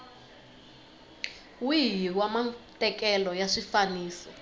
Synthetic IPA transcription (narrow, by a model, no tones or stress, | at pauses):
wijiwamatʼɛkɛlɔjaʂifaniːsɔ